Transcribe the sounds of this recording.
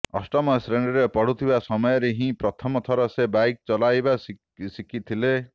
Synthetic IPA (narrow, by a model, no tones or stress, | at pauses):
ɔ̰sʈɔmɔsɾeɳɖɔɾepɔɽut̪ʰibasɔmɔjɔɾeɦĩpɾɔt̪ʰɔmɔt̪ʰɔɾɔsebajk̚t͡ʃɔlajbas | sikʰit̪ʰile